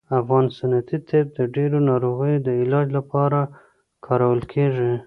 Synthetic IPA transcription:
afɣɑnsanat̪it̪ʰeb̚d̪əɖeɾonɑɾoɣəjod̪əɪlɑd͡ʒlapɑɾa | kʰɑɾawəlkʰeʐi

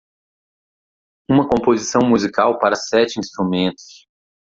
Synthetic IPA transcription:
ũmɐkõpozisɐ̃w̃muzikawpaɾɐsɛt͡ʃɪĩst̪ɾumẽnt̪ʊ̥s

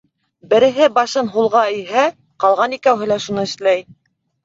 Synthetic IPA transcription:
bɘ̆ɾɘ̆ɦɘbɑʃɤnɦulˠʁɑiɦæ | qɑlˠʁɑnikæwɦɘ̆læʃunɤɘ̆ʃlæj

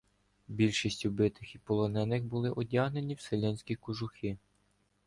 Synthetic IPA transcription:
bʲilʲʃisʲtʲubɪt̪ɪxipɔlˠɔnɛnɪxbʊlˠɪʔɔdʲaɦne̞nʲiwselʲɛnʲsʲkʲikʊʒʊxi

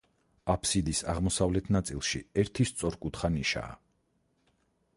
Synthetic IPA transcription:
apʰsid̪isaʁmɔsavlɛt̪ʰnat̪sʼilˠʃḭɛɾt̪ʰist̪sʼɔɾkʼut̪χaniʃa̰ː

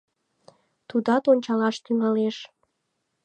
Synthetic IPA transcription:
t̪ud̪ɑt̪onʲt͡ɕɑlɑʃt̪yŋɑleʃ

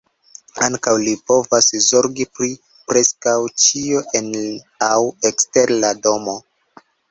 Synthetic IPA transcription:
aŋkawlipo̞vaszo̞ɾɡipɾi | pɾe̞skawt͡ʃioʔen | awekste̞ɾlado̞mo̞

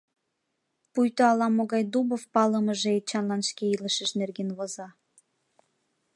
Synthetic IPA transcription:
pujt̪oɑlɑmoɣɑjd̪ubofpɑləmə̆ʒeet͡ɕɑnlɑnʃkeiləʃə̆ʃnerɡenβozɑ

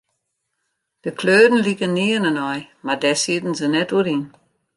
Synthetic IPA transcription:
d̥əkʰløːdn̩likənːiənənɔjmadɛsitn̩zənɛtuɾin

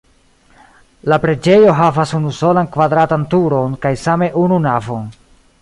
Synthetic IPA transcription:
lapɾe̞d͡ʒe̞jo̞ɦavasunuso̞lankvadɾatantuɾo̞nkajsame̞ʔununavon

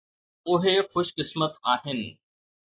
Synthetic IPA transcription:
ʊɦexʊʃkɪsmət̪aːɦɪnɪ̆

